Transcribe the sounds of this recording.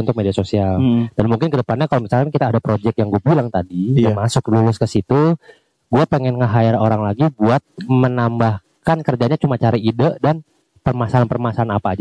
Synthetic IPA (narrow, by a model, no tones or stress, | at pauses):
unt̪ʊk̚mediasosiald̥anmuŋkɪnkədəpanɲakalomisalkankit̪aːdapɾod͡ʒɛk̚jaŋɡuabilaŋt̪adijamasʊk̚lulʊskəsit̪u | ɡuapɛŋɛnŋəɦaɪroɾaŋlaɡibuat̪̚mənambah | kankərd͡ʒaɲat͡ʃumat͡ʃaɾaidəʔdan | pərmasaanpərmasaanapaːd͡ʒ